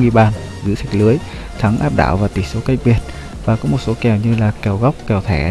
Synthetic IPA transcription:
wi˧ɓaː˨˩n | zɨ̰˧˥sɛ˨˦˥k̚lɨ˨˦əj | t̪ʰə˨˦ŋʔaː˦˥p̚ɗa̰ː˧˨wvaː˨˩t̪i˧˨˩so˨˦kaː˨˦jɓi˨˩ət̚ | vaː˨˩kɔ˨˦mo˨˩t̚so˨˦kɛ˨˩wɲɨ˧laː˨˩kɛ˨˩wɣa˦˥wk͡p̚kɛ˨˩wt̪ʰɛ˧˩

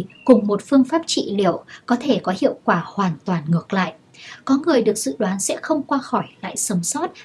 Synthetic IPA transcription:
kʊ˨˩ŋ͡mmo˨˩t̚fɨ˧əŋfaː˦˥p̚t͡ɕḭ˧˨li˧˩əwkɔ˨˦t̪ʰe˧˩kɔ˨˦hḭ˧˨əwkwaː˧˩hwaː˨˩nt̪waː˨˩nŋɨ˨˩ək̚la̰ː˧˨jʔ | kɔ˨˦ŋɨ˨˩əjɗɨ˨˩ək̚zɨ̰˧˨ɗwaː˨˦nsɛ̰˧˥xə˧wŋ͡mkwaː˧xɔ˧˩jla̰ː˧˨jsə˨˦msɔ˦˥t̚

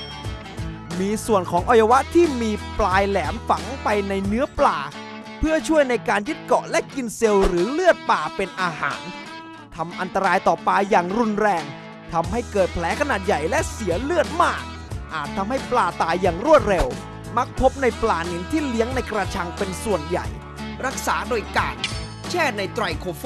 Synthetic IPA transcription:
miː˧su˨˩ənkʰɔː˩˦ŋʔɔ˧ja˧wa˦˥ʔt̪ʰiː˥˩miː˧plaː˧jlɛː˩˦mfa˩˦ŋpa˧jna˧jnɯ˦˥ɐplaː˧˩ | pʰɯ˥˩ət͡ɕʰu˥˩əjna˧jkaː˧njɯ˦˥t̪̚kɔ˨˩ʔlɛ˦˥ʔki˧nse˧wɾɯː˩˦lɯ˥˩ət̪̚paː˨˧pe˧nʔaː˧ha̰ː˩˦n | t̪ʰa˧mʔa˧nt̪a˧ɾaː˧jt̪ɔː˨˩paː˧jaː˨˩ŋɾu˧nɾɛː˧ŋ | t̪ʰa˧mha˥˩jkɤː˨˩t̪̚pʰlɛː˨˦˥kʰa˧naː˨˩t̪̚ja˨˩jlɛ˦˥ʔsi˩˦ɐlɯ˥˩ət̪̚maː˥˩k̚ | ʔaː˨˩t̪ʰːa˧mha˥˩jplaː˧˩t̪aː˨˩jːaː˨˩ŋɾu˥˩ət̪̚ɾe˧w | ma˦˥k̚pʰo˦˥p̚na˧jplaː˧˩ni˩˦nt̪ʰiː˥˩li˦˥əŋna˧jkɾa˧t͡ɕʰa˧ŋpe˧nsu˨˩ənja̰˨˩j | ɾa˦˥k̚saː˩˦˥doː˧jkaː˧n | t͡ɕʰɛː˥˩na˧jt̪ɾa˧jkʰoː˨˧f

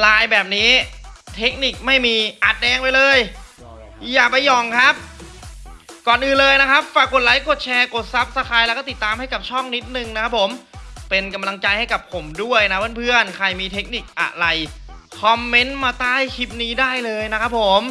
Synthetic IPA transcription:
laː˧jbɛː˨˩p̚niː˦˥t̪ʰe˦˥k̚ni˨˩k̚ma˥˩jmiː˧ʔa˨˩t̪̚dɛː˧ŋpa˧jlɤː˧j | jaː˨˩k̚pa˧jːɔ˨˩ŋkʰa˦˥p̚ | kɔː˨˩nʔɯː˨˩nlɤː˧jna˦˥kʰa˦˥p̚faː˧˩kːo˨˩t̪̚la˦˥jkʰo˨˩t̪̚t͡ɕʰɛː˧koː˨˩t̪̚sa˦˥p̚sa˧kʰaː˧jlɛː˦˥kɔː˥˩t̪i˨˩t̪ːaː˧mha˥˩jka˨˩p̚t͡ɕʰɔ˥˩ŋni˦˥t̪̚nɯ˨˩ŋna˦˥kʰa˦˥pʰːo˩˦mpe˧nka˧mla˧ŋt͡ɕaː˧jha˥˩jka˨˩pʰo˩˦mdu˥˩əjna˦˥pʰɯː˥˩pʰɯ˥˩ənkʰa˧˩jmiː˧t̪ʰe˦˥k̚ni˨˩k̚ʔa̰˨˧˩la˧j | kʰɔ˦mːe˦˥nmaː˧t̪aː˥˩jkʰi˦˥p̚niː˦˥daː˥˩jlɤː˧jna˦˥kʰa˦˥p̚ʰo˨˩˦m

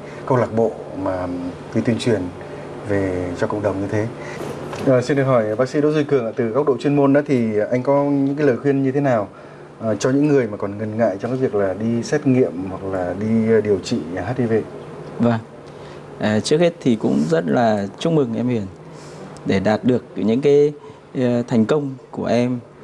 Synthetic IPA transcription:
kə˧wlaː˨˩k̚ɓo̰˧˨ | maː˨˩ | t̪i˧t̪wi˧ənt͡ɕwi˨˩ən | ve˨˩t͡ɕɔ˧kə̰˧˨wŋ͡m̚ɗə˨˩wŋ͡mɲɨ˧t̪ʰe˨˦ | ʔəː˨˩si˧nɗə˨˩hɔ˧˩jɓaː˦˥k̚sḭ˧˥ɗo̰˧˥zwkɨ˨˩əŋʔəː˧˩t̪ɨ˨˩ka˦˥k͡p̚ɗo̰˧˨t͡ɕwi˧ənmo˧nɗa̰ː˧˨˦t̪ʰi˨˩ʔa˧jŋ̟kɔ˨˦ɲɨ̰˧˥ŋkaː˨˦ləː˨˩jxwi˧ənɲɨ˧t̪ʰe˨˦naː˨˩w | ʔt͡ɕɔ˧ɲɨ̰˧˥ŋːɨ˨˩əjmaː˨˩kɔ˨˩nŋə˨˩nŋa̰ː˧˨jt͡ɕɔ˧ŋ͡mkaː˨˦vi˨˩ək̚laː˨˩ɗi˧sɛ˦˥t̚ŋḭ˧˨əmhwa˨˩k̚laː˨˩ɗi˧ɗi˨˩əwt͡ɕḭ˧˨˩ɦaː˦˥t̚ɗi˧ve˧˨ | və˨˩ŋ | ʔəː˨˩t͡ɕɨ˦˥ək̚he˦˥t̚t̪ʰi˨˩kʊ̰˧˥ŋ͡mzə˦˥t̚laː˨˩t͡ɕʊ˦˥ŋ͡m̚mɨ˨˩ŋʔɛ˧mhi˧˩ən | ɗe˧˩ɗaː˨˩t̚ɗɨ˨˩ək̚ɲɨ̰˧˥ŋkaː˨˦j | t̪ʰa˨˩jŋ̟kə˧wŋ͡mku˧˩əʔɛ˧m

